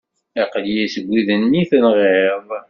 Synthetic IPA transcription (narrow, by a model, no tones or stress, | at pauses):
eqlijæsəɡʷːiðənːiθənʁeevˤ